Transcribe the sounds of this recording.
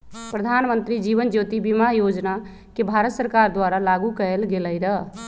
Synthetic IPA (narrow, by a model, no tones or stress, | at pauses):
pɾəd̪ʱanmənt̪ɾid͡ʒiʋənd͡ʒot̪ibimajod͡ʒna | kebʱaɾət̪səɾkaɾd̪waɾalaɡukəelɡeləjɾəɦ